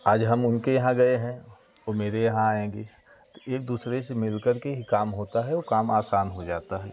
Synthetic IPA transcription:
aːd͡ʒɦɐmʊnkejɐɦãɡɐeɦɛ̃ | omeːɾejɐɦãaːẽːɡe | t̪oeːk̚d̪uːsɾesemɪlkəɾkeɦikaːmɦoːt̪aɦɛokaːmaːsaːnɦod͡ʒaːt̪aɦɛ̰ː

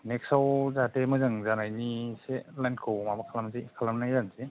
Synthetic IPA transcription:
neksawzatemɯzɯŋzanajniselajn̚kʰɯwmabakʰalamzikʰalamnajanzi

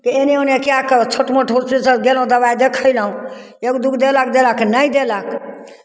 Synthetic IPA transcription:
kienionekiakt͡ʃʰoʈməʈʰoɾsisəɡelɦũd̪əβajd̪ekʰəjləɦũ | ekd̪ukʰd̪elək̚d̪elaknəjd̪elək

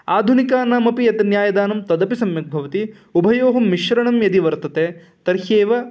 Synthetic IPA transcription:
aːd̪ʱunikaːnaːmɐpijɐt̪ɐnjaːjɐd̪aːnɐmt̪ɐd̪ɐpisɐmjɐk̚bʱɐʋɐt̪i | ubʱɐjoːɦɐmːiʃʋɐɾɐɳɐmjɐd̪iʋɐɾt̪ɐt̪eː | t̪ɐɾheːʋɐ

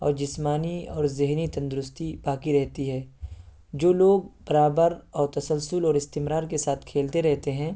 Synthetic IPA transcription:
ɔ̰ːɾd͡ʒɪsmaːniɔːɾzɪɦnit̪ɐ̃nd̪ʊɾʊst̪ibaːkiɾɛɦt̪iɦɛː | d͡ʒoːloːɡ̚b̥ɐɾaːbəɾɔːɾt̪ɐsəlsʊlɔːɾɪst̪ɪmɾaːɾkesaːt̪ʰkʰeːlt̪eɾɛɦt̪eɦɛ̃ː

